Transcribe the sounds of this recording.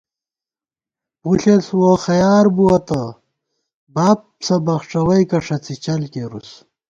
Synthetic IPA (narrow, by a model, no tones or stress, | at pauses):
puɬeswoxɐjaːɾbuwɐt̪ɐ | baːp | sɐbɐxʂɐwɐjkɐʂɐt͡sit͡ɕɐlkeɾus